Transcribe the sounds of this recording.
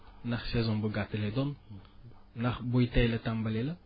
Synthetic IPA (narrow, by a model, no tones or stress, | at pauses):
naχsɛzɔ̃bəɡatəledɔn | naχbojtɛjlətãmbəlelə